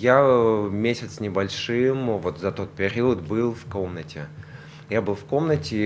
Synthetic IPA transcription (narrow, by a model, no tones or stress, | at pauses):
jamʲesʲɪt̪snʲɪbɐlʲʂɨmvo̞t̪zɐt̪o̞t̪̚pʲɪɾʲiət̪bɨlˠfko̞mnətʲɪ | jabɨlˠfko̞mnətʲɪ